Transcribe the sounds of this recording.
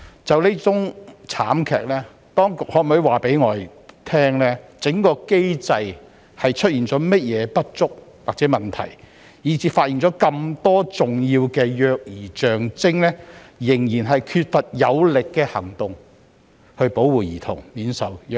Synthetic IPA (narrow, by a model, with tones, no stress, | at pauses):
t͡sɐ˨wle˥t͡sʊ˨˥ŋt͡sʰa̰ː˨˥mkʰɛ̰ː˨k̚lɛː˥ | t̪ɔː˥ŋkʊ˨k̚hɔ˨˥˩mɵ˨˥ɥwaː˨pe˨˥jŋɔː˨˧j | t̪ʰɛː˥ŋlɛː˥t͡sɪ˨˥ŋkɔː˧ke˥jt͡sɐ˧j | hɐ˨jt͡ʃʰɵ˥t̚jiː˨˩nt͡sɔː˨˥mɐ˥t̚jɛː˨˧pɐ˥t̚t͡sʊ˥k̚waː˨k̚t͡sɛː˨˥mɐ˨nt̪ʰɐ̰˨˩j | jiː˨˥t͡siː˨˥faː˧t̚jiː˨˩nt͡sɔː˨˥kɐ˧mt̪ɔː˥t͡sʊ˨ŋjiː˧wkɛː˧jœː˧k̚jiː˨˩t͡ʃœː˨˩ŋt͡sɪ˥ŋlɛː˥jɪ˨˩ŋjiː˨˩nɦɐ˨jkʰyː˧t̚fɐ˨t̚jɐ˨˧wlɪ˨kːɛː˧hɐ˨˩ŋt̪ʊ˨ŋ | hɵ˧ɥpo˨˥wwuː˨˩jiː˨˩t̪ʰʊ̰˨˩ŋmiː˨˥nsɐ˨wj